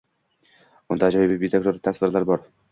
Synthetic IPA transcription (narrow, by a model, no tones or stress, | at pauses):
ʊnd̪ad͡ʒɒjɪbibit̪ʰekɾoɾɪt̪ʰasvɪɾlaɾbɒɾ